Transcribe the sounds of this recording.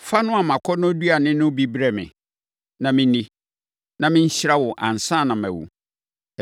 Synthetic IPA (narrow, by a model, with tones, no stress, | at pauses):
fa˦nʊ̃˦a˨mã˨kʰɔ˦nʊ̃˦du˦a˨nɪ̃˦nʊ̃˦bi˦bɾɛ˦˨mɪ̰̃˨ | nã˨mɪ̃˦nĩ˦ | nã˨mɪ̃˦ɲ̩˦ɕɪ˦ɾa˦wɔ˨ʔã̰˨n̩˨sã˦˨nã˨mæ̰˨wṵ˨